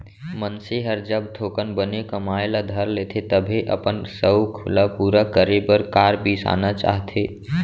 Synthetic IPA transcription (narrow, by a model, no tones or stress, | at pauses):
mənseɦəɾd͡ʒəb̚t̪ʰoːkənbənekəmaːelad̪ʱəɾleːt̪ʰet̪əbʱeʔə̰pənsəkʰʊlapuːɾakəɾebəɾkaːɾbʱisa̰ːnat͡ʃa̰ːɦt̪ʰeː